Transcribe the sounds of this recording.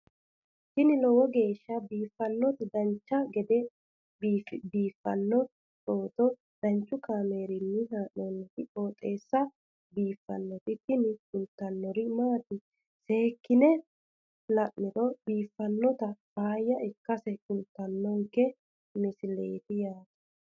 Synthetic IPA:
t̪ɪnɪlɔwɔɡe̞ːʃːɐbiːfːɐnːɔt̪ɪd̪ɐnt͡ʃːɐɡɛd̪ɛ | bbiːfːɐ̰nːɔ | t͡ʃoːt̪ɔ | d̪̥ɐnt͡ʃːʊkaːme̞ːɾɪnːɪnaːʔɔnːt̪ɪʔoːt̪ʼe̞ːsːɐ | biːfːɐ̰nːɔt̪ɪt̪ɪnɪkʊlt̪ːɐnːɔɾɪmaːt̪ɪ | seːkːɪnɛ | lɐʔːɪt̪ɔbiːfːɐnːɔt̪ɐbaːjːɐʔɪkːɐsɛkʊlt̪ːɐnːɔŋkːɛ | mɪsɪlḛːt̪ɪjaːt̪ɐ̥

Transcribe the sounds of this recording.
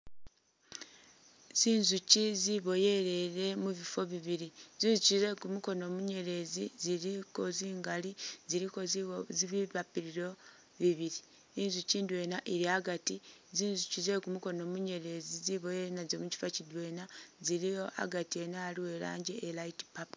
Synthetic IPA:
z̥iːnzuciziβo̞je̞ɾe̞ɾe̞muβifo̞βiβiɾiziːnzucize̞kumuko̞no̞ːmuɲe̞ɾe̞ziziɾiko̞ziːŋɡaliziɾikozziβiβapiɾiɾo̞ | βiβiɾiː | nzuciːndwe̞naʔiɾiaɡatiziːnzucize̞kumuko̞no̞ːmuɲe̞ɾe̞ziziβo̞jeɾenazomuci̥facidwe̞ːnaziɾijo̞a̰ɡatie̞naːliwe̞la̰ːɲɟe̞ʔːlaiti̥pap

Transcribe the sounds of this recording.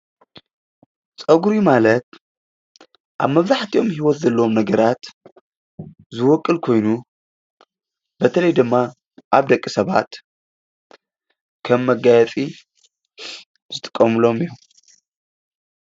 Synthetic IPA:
t͡sʼɐɡuɾimalɐt̪ | ʔaβmɐβzaħt̪ʰio̞mhiwot̪zɐlːɐomnɐɡɐɾat̪ | zɨwɔkʼːɨlkʰo̞jnu | bɐt̪ʰɐlɐjd̪ɨmːa | ʔaβd̪ɐkʼːisɐβa̰t̪ | kʰɐmːɐɡajɛt͡sʼi | z̥ɨt̪ʼɨ̥kʼːɐmɨlo̞mijom

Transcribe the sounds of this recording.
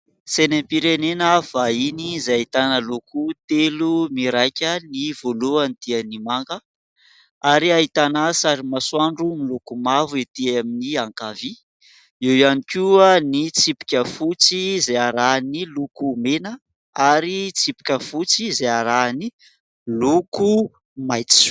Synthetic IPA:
senempiɾenenəvainizajaɦit̪anəlukut̪elumiɾajkʲənivoluanid̪̥ianimaŋɡə | aɾiaɦit̪anasaɾimasuaɳɖ͡ʐumilukumavuet̪iaminiaŋkavi | ewjanikʲuanit͡sipi̥kʲəfut͡sizaaɾanilukumenə | aɾit͡sipi̥kʲəfut͡sizaaɾani | luku | majt͡si̥

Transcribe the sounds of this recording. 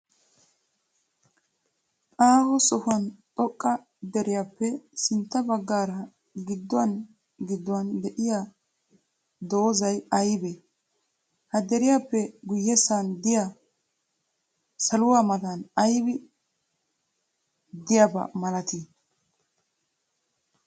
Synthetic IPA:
aːhɔsɔhʊɐnt̪ʼɔkʼːɐ | d̪ɛɾɪjaːpːɛsɪnt̪ːɐbɐɡːaːɾɐ | ɡɪd̪ːɔɐn | ɡɪd̪ːʊwɐnd̪ɛʔɪja | d̪oːzɐjɐjbe | hɐd̪ɛɾɪjaːpːɛɡʊjːɛsand̪ɪja | sɐlʊwaːmɐd̪anɐjbɪ | d̪ɪjabɐ̰mɐlɐt̪i

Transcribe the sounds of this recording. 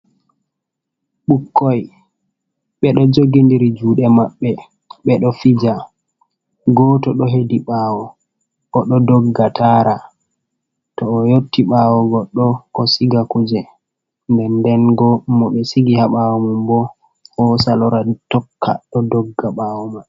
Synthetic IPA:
ɓukʰːɔj | ɓɛɗɔd͡ʒoɡindiɾid͡ʒuːɗɛmaɓːɛ | ɓɛɗɔfid͡ʒa | ɡɔːtɔɗɔɦediɓawɔ | ɡ̥ɔɗɔdɔɡːatʰaːɾa | tɔːjotːiɓawɔɡɔɗɔkɔsiɡakud͡ʒɛ | ndɛndɛnɡɔmɔɓɛsiɡihaɓawɔmumbɔ | ɔsalɔɾatɔkːa̰ɗɔdɔɡːaɓawɔma

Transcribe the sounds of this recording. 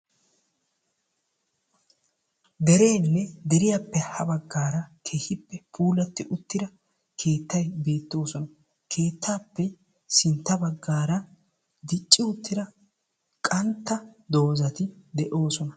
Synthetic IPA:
d̪ɛɾe̞ːnːɛd̪ɛɾɪjapːɛhɐbɐɡːaːɾɐkʰe̞ːhɪpːɛpʰuːlɐt̪ːɪʔʊt̪ːɪd̪ɐ | kʰe̞ːt̪ːɐjbe̞ːt̪ːo̞ːsɔnɐ | kʰe̞ːt̪ːaːpːɛ | sɪnt̪ːɐbɐɡːaːɾɐ | d̪ɪt͡ʃʼːɪʊt̪ːɪd̪ɐ | kʼɐnt̪ːɐd̪o̞ːzɐt̪ɪd̪ɛʔo̞ːsɔnɐ

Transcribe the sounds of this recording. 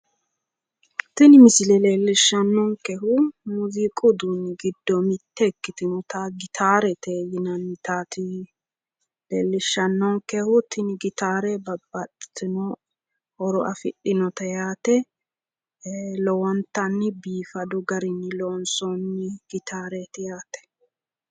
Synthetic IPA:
t̪ɪnmɪsɪlɛleːlːɪʃːɐnːɔŋkɛɦʊnʊziːkʼʊd̪unːɪɡɪd̪ːɔmɪt̪ːɛkːɪt̪ɪnɔt̪ɐɡɪt̪ʰaːɾɛt̪ʰeːjɪnɐnːɪt̪aːt̪ɪ | leːlːɪʃːɐnːɔŋkɛhʊt̪ʰɪnɪɡɪt̪aːɾɛbɐbːɐtːɪ̥t̪ɪnɔ | ɔɾɔʔɐfɪ̰ɗːɪnɔt̪ɐjaːt̪ɛ | lɔwɔnt̪ːɐnːɪbiːfɐd̪ʊɡɐɾɪnːɪlɔnsɔnːɪɡ̥ɪt̪ʰaːɾɛt̪ɪjaːt̪ɛ̥

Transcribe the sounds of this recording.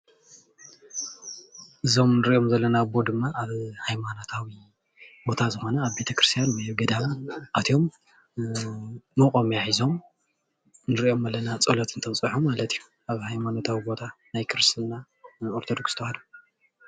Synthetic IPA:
ʔɨzo̞mnɨɾiʔo̞mzɐlːɐnabo̞d̪ɨmːaʔaβhajmanot̪ʰawi | bo̞t̪ʰazɨxo̞nɐaβbe̞t̪ʰɐkɾɨst̪ʰijanwɐjɡɐd̪amʔat̪ʰjo̞m | mɨkʼo̞mjaħizo̞m | nɨɾiʔo̞mɐlːɐnat͡sʼolɐt̪ʰɨnt̪ʰɐmt͡sʼɨħumːalɐt̪ʰijːu | aβhajmanot̪ʰawibo̞t̪ʰanajkʰɨɾɨst̪ɨna | oɾt̪ʰod̪o̞kst̪ʰɐwhad̪u

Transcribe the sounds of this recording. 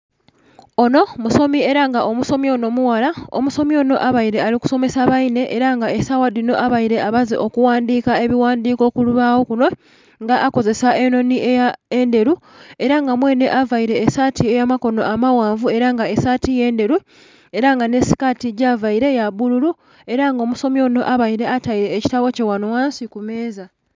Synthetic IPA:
o̞no̞muso̞mie̞ɾaŋɡaʔo̞muso̞mio̞no̞muwalao̰muso̞mio̞ːno̞ʔaβaiɾe̞aliku̥so̞me̞saβaine̞ʔeɾaŋɡaesawadino̞ʔaβaiɾe̞aβazḛʔo̞kuwaːndiːkae̞βiwaːndiːko̞ːkuluβawo̞kuno̞ | ŋɡaʔako̞ze̞saʔe̞no̞niʔejaende̞ɾu | e̞ɾaŋɡamwe̞ːne̞ʔavaiɾe̞ːsaːtiejamako̞no̞ʔamawaːɱvue̞ɾaŋɡaesaːtije̞ːnde̞ɾu | e̞ɾaŋɡane̞si̥katiɟavaiɾe̞jaβululu | e̞ɾaŋɡomuso̞mo̞no̞ʔaβaiɾe̞ataiɾe̞ːci̥taβo̞cewanowaːnsikume̞ːza

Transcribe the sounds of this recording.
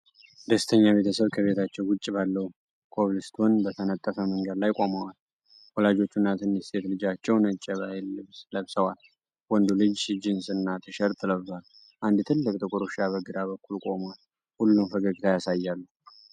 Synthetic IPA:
d̪əst̪ʰəɲːaβe̞t̪ʰəsəβkʰəβe̞t̪ʰat͡ʃːɛwwʊt͡ʃʼːbalːəwu | kʰo̞βlɨst̪ʰonbət̪ʰənət̪ʼːəfəməŋɡəd̪lajkʼo̞mawal | wɔlad͡ʒo̞t͡ʃːunːat̪ʰɨnɛst̪ʰe̞t̪lɨd͡ʒat͡ʃːɛwnət͡ʃʼːəβahlɨβsləβsəwal | wɔnd̪ulɨd͡ʒd͡ʒɪnsɨnːat̪ʰɨʃəɾt̪ʰɨləval | ʔand̪t̪ʰɨlːɨkʼt̪ʼɨkʼuɾuʃaβəɡɨd̪aβəkːulkʼo̞mwal | hulːunfəɡəɡit̪ʰajasajːalːu

